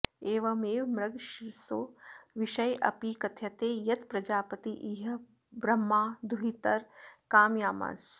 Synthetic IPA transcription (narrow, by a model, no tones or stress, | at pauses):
eːʋɐmeːʋmɾɐɡʃiɾsoːʋiʃɐjʔɐ̰piːkɐt̪ʰjɐt̪eːjɐt̪pɾɐd͡ʒaːpɐt̪iʔiːɦɐ | bɾɐmːaːd̪ʱuɦit̪ɐɾkaːmjaːma̰ːs